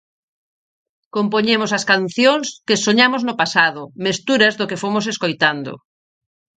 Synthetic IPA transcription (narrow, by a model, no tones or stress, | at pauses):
kompoɲemʊsɐskanθjoŋskɪsoɲamoznʊpasaðʊmest̪uɾɐzðʊkefomʊseskojt̪and̪ʊ̰